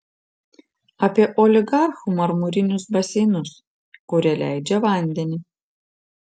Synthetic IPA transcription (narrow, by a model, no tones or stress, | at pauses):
ɐpʲiɛʔɔːlʲɪɡɑˑɾxumɐɾmʊɾʲɪnʲʊsbɐsʲɛɪnʊs | kʊɾʲɛlʲæɪd͡ʒʲɛʋɐˑnʲd̪ʲɛnʲi